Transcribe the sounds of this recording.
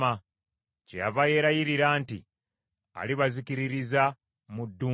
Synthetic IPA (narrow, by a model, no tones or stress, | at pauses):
a | ceja̰vaje̞ɾajiɾiɾaːnti | a̰liβazikiɾiɾiza | mudːu